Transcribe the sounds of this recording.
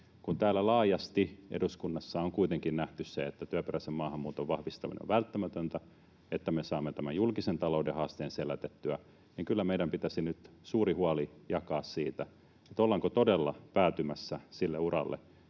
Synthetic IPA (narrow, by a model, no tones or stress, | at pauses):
kunt̪æːlːælɑːjɑst̪iʔḛduskunːɑsːɑoŋkuit̪eŋkinnæht̪ysseet̪ːæt̪yæperæsemmɑːhɑmːuːt̪oʋʋɑhʋist̪ɑmḭnḛo̰ʋælt̪ːæmæt̪ønt̪æ | et̪ːæmesɑːmːet̪æmæjulkisent̪ɑloudehɑːst̪eːnselæt̪et̪ːyæ | niŋkylːæmeiɾæmpit̪æsinyt̪suːrihuɑlijɑkɑːssiːt̪æ | et̪olːɑŋkot̪odelːɑpæːt̪ymæsːæsilːḛurɑ̰lːḛ